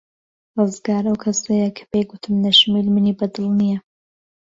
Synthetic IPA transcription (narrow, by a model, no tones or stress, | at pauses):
rɨzɡaːɾɐwkʰɐsɐjɐkʰɐ̥beɡut̪ʰɨmnɐʃɨmiːlmɨniːbɐd̪ɨlˠnijɛ